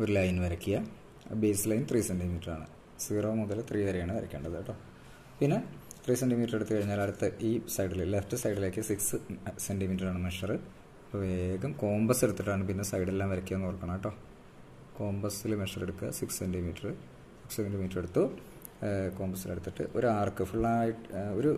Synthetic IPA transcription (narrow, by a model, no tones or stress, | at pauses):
oɾulaːjinʋɐɾɐkʲːijɐ | beːsilɐjnt̪riːsenɖimiːʈːɐraːɳɨ̰ | siːroːmuðɐlt̪riːʋɐɾejaːɳɨʋɐɾɐkʲːeːɳɖɐðɐʈːo̞ː | pinːe̞t̪riːsenɖimiːʈːɐreɽut̪ːɨkɐɻiɲːaːlɐɽut̪ːɐʔiːsɐjɖillefʈɨsɐjɖile̞ːkːɨsiksɨsenɖimiːʈːɐraːɳɨmeʂɐrɨ | pːɐʋeːɡɐmko̞ːmbɐseɽut̪ːiʈːaːɳɨpinːe̞sɐjɽe̞lːaːmʋɐɾɐkʲːuaːnkurɐkːɐɳɐmɐʈːo̞ː | ko̞ːmbɐsilmeʂɐreɽukːɐsikssenɖimiːʈːɐrɨ | sikssendimiːʈːɐre̞ɽut̪ːu | ko̞ːmbɐsileɽut̪ːiʈːɨ̰ʔo̞ɾuaːrkɨfuɭːaːjiʈoɾu